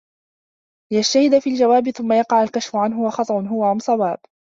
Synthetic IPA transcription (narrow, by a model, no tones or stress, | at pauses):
lɪjaʃt̪ahɪd̪afiːld͡ʒawaːbɪθʊmːajɑqɑʕalkaʃfʊʕanɦʊwɑxɑt̪ˤɑʔʊnɦʊwaʕʊmsˤɑwaːb